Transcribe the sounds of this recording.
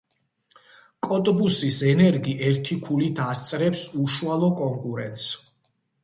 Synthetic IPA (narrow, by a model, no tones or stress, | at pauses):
kʼɔt̪ʼbusisɛnɛɾɡiʔɛɾt̪ʰikʰulit̪ʰast̪sʼɾɛpsuʃualˠɔkʼɔŋkʼuɾɛnt̪ʼs